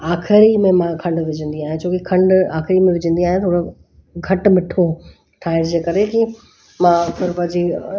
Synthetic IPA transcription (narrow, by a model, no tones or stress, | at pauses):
aːxɪɾimẽmãkʰɐ̃ɳɖʋɪd͡ʑʱə̃nd̪iaːɦɪ̃ẽt͡ɕʰoːkekʰɐ̃ɳɖaːxɪɾimẽʋɪd͡ʑə̃nd̪iaːɦɪ̃ñt̪ʰoːɽo | ɡʱɐʈmɪʈʰo | ʈʰaːɦɪɾd͡ʑeːkɐɾeki | mãːpʰɪɾpɐ̃ɦd͡ʑi